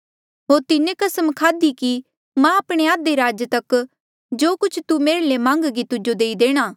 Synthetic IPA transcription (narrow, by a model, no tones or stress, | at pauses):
ɦoːɾt̪ɪnẽkɐsəmkʰaːd̪iki | mãɐpɽ̃eaːd̪eɾaːd͡ʒət̪ɐk | d͡ʒoːkʊt͡ʃʰt̪umeːɾlemãːŋɡɡit̪ʊd͡ʒod̪eːid̪eːɽ̃aː